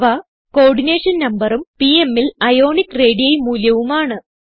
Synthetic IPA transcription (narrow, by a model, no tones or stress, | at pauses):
ʋɐ | ko̞ːɖine̞ːʂɐnnɐmbɐrumpiemːilɐjo̞ːɳikːre̞ːɽijɐjmuːljɐʋumaːɳɨ